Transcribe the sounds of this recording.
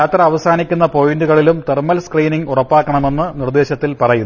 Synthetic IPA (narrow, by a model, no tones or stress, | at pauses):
aːt̪rɐːʋɐsaːnikʲːunːɐpo̞jinduɣɐɭilumt̪ermɐlskriːniŋurɐpːaːkːɐɳɐme̞nːɨnird̪eːɕɐt̪ːilpɐrɐjunː